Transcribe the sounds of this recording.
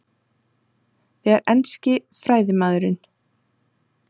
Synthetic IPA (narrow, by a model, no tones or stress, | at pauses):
θɛɣɛɾʔɛnscɪfɾaːjðɪmaːðʏɾɪn